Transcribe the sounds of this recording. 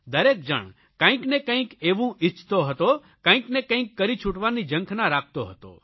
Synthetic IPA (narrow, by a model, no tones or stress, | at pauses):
d̪əɾek̚d͡ʒə̰ɳ | kə̃ĩknekə̃ĩkeʋũʔit͡ʃʰt̪oɦət̪o | kə̃ĩknekə̃ĩkːəɾit͡ʃʰuʈʋanid͡ʒə̃ŋkʰnaɾak̚ʰt̪oɦət̪o̰